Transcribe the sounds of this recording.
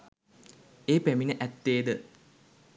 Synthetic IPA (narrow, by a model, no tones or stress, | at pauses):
eːpeminəʔæt̪ːeːd̪ə